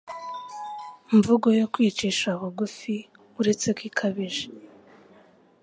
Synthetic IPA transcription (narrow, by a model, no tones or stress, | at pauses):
ɱvuɡo̞jo̞kwiːt͡ʃiʃaβoɡufi | uɾe̞t͡se̞kwiːkʰaβiʒe